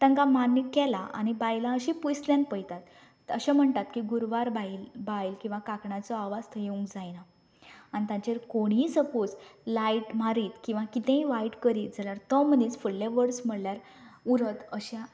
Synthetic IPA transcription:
t̪ə̃ŋɡamanːikɛlaʔa̰ñibajlãəɕipujsljanpəjt̪at̪ | əɕam̤əɳt̪at̪kiɡuɾʋaɾbailbajlkĩw̃ʋakakɳat͡sɔaʋast̪ʰəjeũŋkd͡zajnaː | nit̪ãɲt͡ɕeɾkoɽ̃iːsəpod͡zlajʈm̤aɾiːt̪kĩw̃ʋakit̪ẽiʋajʈkəɾiːt̪̚d͡zaljaɾt̪əmənit͡sfuɽlaʋəɽsm̤əɽljaɾ | uɾət̪əɕa

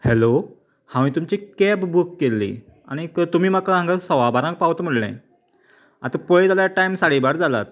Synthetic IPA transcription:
helo | hãʋiːt̪umt͡ɕikɛpbukːelːḭː | a̰ɽ̃ikt̪um̤iːm̤akaãŋɡasəʋabʱaɾãk̚paʋt̪m̤əɽnḛ̃ | a̰t̪apəɭed͡zaljaʈajmsaɽibaɽd͡zʱala̰t̪

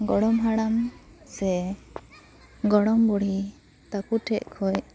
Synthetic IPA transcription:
ɡɔɽɔmɦaɽam | sɛ | ɡɔɽɔmbɔɽ̤i | t̪akuʈʰɛʔkʰɔj

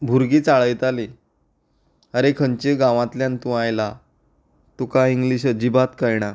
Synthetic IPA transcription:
bʱuɾɡiːt͡saɭəjt̪ali | əɾekʰəɲt͡ɕeɡãʋãt̪ljãnt̪ũajla | t̪ukaiŋɡliɕ̬əd͡ʑibat̪kajɽ̃a

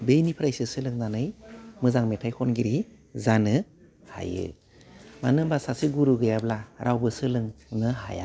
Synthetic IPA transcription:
bejnipʰɾajsɯsɯlɯŋnanɯjmɯzaŋmetʰajkʰɔnɡiɾi | zanɯ | ha̰jɯ̰ | manɯbasasɯɡuɾuɡɯjablaɾʔawbɯsɯlɯŋnɯɦa̰ja̰

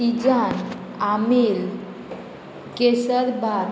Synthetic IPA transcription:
id͡ʑan | amel | kesəɾba

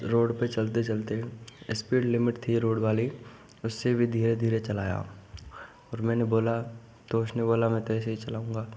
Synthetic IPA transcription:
ɾoːɽpet͡ʃɐlt̪et͡ʃɐlt̪eɪspiːɖlɪmɪʈt̪ʰiɾoːɽbaːli | ʊsːebʱid̪ʱiːɾed̪ʱiːɾet͡ʃɐlaːja̰ | ɔːɾmɛ̃ːneboːla | t̪oːʊʃneboːlamɛ̃t̪ɛseɦit͡ʃɐlaːũːŋɡaː

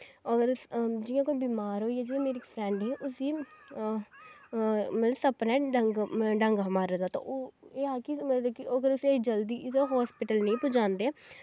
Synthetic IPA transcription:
əɡəɾd͡ʒɪjãːkoːibiːmaːɾɦoːiɛːd͡ʒiːjãːmeːɾiɪkpʰɾɛ̃ːɳɖẽːʔʊsiː | mət̪ləsəpnɛ̃ːɖəŋɡɖəŋɡɦəmaːɾəd̪aːt̪ã̰ːʔoːeːaːkimeːɾd̪ekioɡəɾʊsid͡ʒəld̪iːseɦɔːspɪʈəlnĩːpʊd͡ʒãːnd̪eː

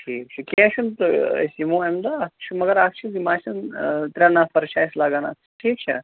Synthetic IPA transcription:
ʈʰiːkt͡ʃʰɛkʲẽʃunt̪ɐ̰simuemd̪aːkt͡ʃʰimɐɡəɾak̚t͡ʃʰid̪imaːsɐnt̪ɾʲãnafɐɾʃaːjslaːɡaːna̰ː | ʈʰiːk̚t͡ʃʰɛ̰

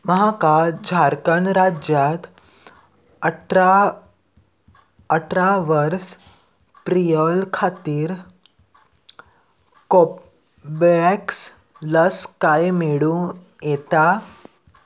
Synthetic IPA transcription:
məɦakad͡ʑʱaɾkəɳɾad͡ʑjat̪ | əʈa | əʈɾaʋəɾs | pɾijəlkʰat̪iːɾ | kop | bɛks | ləskajmeɽũ | jet̪a

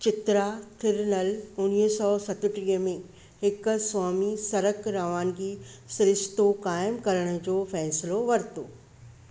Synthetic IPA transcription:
t͡ɕɪt̪ɾat̪ʰɪɾnɐlʊniːɦsɔːsɐt̪ʊʈɾiːəmẽ | hɪk̆swaːmisɐɾəkɾaːʋaːnd͡ʑiːsɪɾɪʃt̪okaːɪmkɐɾəɽ̃ʊ̆d͡ʑoːfɛːsɪloʋɐɾt̪oː

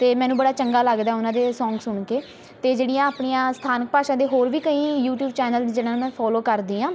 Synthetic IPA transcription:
t̪eːmɛ̃ːnũːbəɽaːt͡ʃəŋɡaːləɡd̪aːʊnãːd̪eːsɔ̃ːŋɡsʊɳkeː | t̪eːd͡ʒeːɽijãːaːpɳiːãːsə̥t̪ʰaːnək̚paːʃãːd̪eːɦoːɾʋiːkəĩːjuːʈjuːbt͡ʃɛːnəld͡ʒeːɽãːnːmɛ̃ːpʰɔːloːkəɾd̪iːãː

